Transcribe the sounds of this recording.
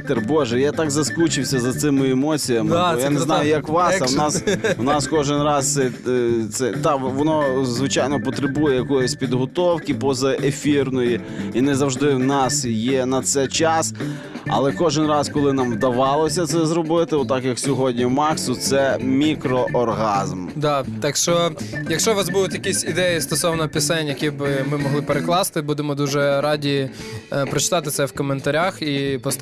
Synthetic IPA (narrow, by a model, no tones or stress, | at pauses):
t̪ɛrbɔʒɛjat̪ɑɡzɐskut͡ʃɪwsʲɐzɐt̪sɪmɪɛmɔt͡sʲijɐmɪjanenɑjʊjɐkʋɑsɐwnɑswnɑskɔʒɪnrɑst̪ɛt̪sɛt̪ɑʋɔnɔzʋɪt͡ʃɑjnɔpɔt̪ɾebujɛjɐkɔjɔsʲpʲid̪ɦɔt̪ɔwkɪpɔzɐʔefʲirnɔji | inɛzɐwʒd̪ɪwnɑsjɛnɐt̪sɛjt͡ʃɑs | ɐ̰lˠɛkɔʒɪnrɑskɔlˠɪnɑmwd̪ɐʋɑlˠɔsʲɐt̪sɛzɾɔbɪt̪ɪɔt̪ːɑkjɐksʲɔɦɔdʲnʲimɑksʊt̪sɛmʲikɾɔʔɔrɦɑzmd̪ɑt̪ɑkʃt͡ʃɔjɐkʃt͡ʃɔʋɑzbud̪ʊt̪ʲjɐkʲisʲid̪ɛjist̪ɔsɔʋnɐpʲɪsɛnʲjɐkʲibɪmɪmɔɦlˠɪpeɾeklˠɑst̪ɪbud̪emɔd̪uʒɛɾɑdʲi | pɾɔt͡ʃɪ̥t̪ɑt̪ɪt̪sɛwkɔment̪ɐɾʲaxipɔ